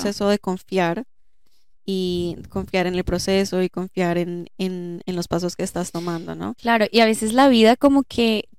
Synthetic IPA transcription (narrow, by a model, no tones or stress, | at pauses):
e̞so̞ðe̞ko̞ɱfjaɾ | iko̞ɱfjaɾe̞ne̞lpɾose̞so̞iko̞ɱfjaɾe̞nenenlo̞spas̬o̞ske̞ːst̪ast̪o̞mãnd̪o̞̰no̞̰klaɾo̞ʔiaβ̞e̞se̞zlaβiðako̞mo̞kʰe̞